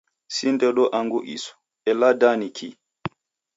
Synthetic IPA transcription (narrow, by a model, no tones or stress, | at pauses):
sindɛɗɔʔaŋɡuʔḭsɔ̥ | ɛladanikʰi